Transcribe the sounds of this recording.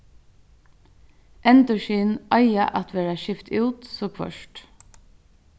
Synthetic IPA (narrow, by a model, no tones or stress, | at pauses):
ʔɛnt̪ɔʃiːnɑɪaʔɑt̪ʋeːɹaʃɪft̪ʰʉːt̪sɔːkʰʋœ̰ʃʈ